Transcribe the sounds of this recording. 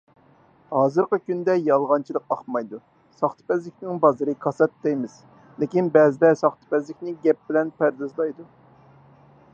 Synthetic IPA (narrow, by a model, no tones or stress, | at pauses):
hɑːzɨɾqəkʲynd̪ɛjɑlˠʁɑnt͡ʃʰilˠəqɑχmɑjd̪u | sɑχt̪ʰɨ̥pɛzlɪkʲnɪŋbɑzɨɾɨkʰɑsɛt̪ːɛjmɪz̥ | lɪkʲinbɛzɪd̪ɛsɑχt̪ʰɨ̥pɛzlɪkʲnɪɡʲɛp̚bɪlɛnpæɾd̪ɨzlˠɑjd̪u